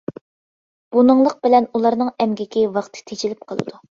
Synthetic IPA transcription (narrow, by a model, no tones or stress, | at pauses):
b̥unɨŋlˠəq̚bɪlɛnulˠɑɾnɨŋɛmɡʲɪkʲiwɑχt̪ʰɨ̥t̪ʰet͡ʃʰilɪp̚qʰəlˠɨ̰d̪̥u